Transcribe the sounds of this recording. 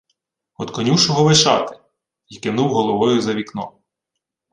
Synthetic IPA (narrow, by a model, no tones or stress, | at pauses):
ɔd̪kɔnʲuwʃɔɦɔʋɪʃɑ̰t̪ɪ̥ | ikɪnuwɦɔlˠɔʋɔjʊzɐʋʲiknɔ̰